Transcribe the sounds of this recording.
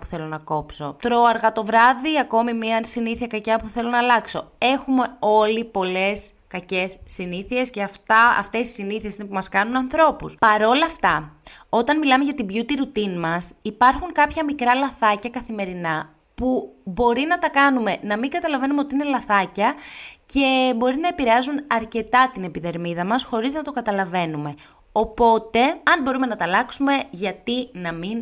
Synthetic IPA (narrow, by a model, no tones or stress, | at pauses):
pu̥θe̞lo̞nɐko̞pso̞̰t̪ɾo̞ɐɾɣɐt̪o̞vɾɐðiɐko̞mimiɐsiniθiɐkɐcɐpuθe̞lo̞nɐːlɐkso̞e̞xumeo̞lipo̞le̞s | kɐce̞sːiniθie̞sceɐft̪ɐɐ̰ft̪e̞si̥siniθiesine̞pumɐskɐnunɐnθɾo̞puspɐɾo̞lɐft̪ɐo̞t̪ɐnmilɐmeʝɐt̪ibʝut̪iɾut̪inmɐsipɐɾxuŋkɐpçɐmikɾɐlɐθɐcɐkɐθime̞ɾinɐ | pubo̞ɾinɐt̪ɐkɐnume̞nɐmiŋɡɐt̪ɐlɐve̞numeot̪iine̞lɐθɐcɐce̞bo̞ɾinɐepiɾeɐzunɐɾce̞t̪ɐt̪ine̞piðe̞ɾmiðɐmɐsxo̞ɾiznɐt̪o̞kɐt̪ɐlɐve̞nume̞ | o̞po̞t̪e̞ɐnbo̞ɾume̞nɐt̪ɐlɐksume̞ʝɐt̪inɐmin